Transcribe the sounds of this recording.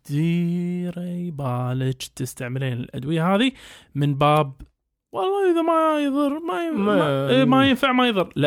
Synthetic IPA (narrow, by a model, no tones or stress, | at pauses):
d̪̥iːɾabaːlɪd͡ʒt̪ːɪst̪aʕmɪleːnɪ̰lʔa̰d̪wɪjːaɦaːðimɪnbaːb̚ | wɑlˤːɑːʔɪðamajðˤɨrˤːmajamajɪnfaʕmajðˤɨrˤlɪ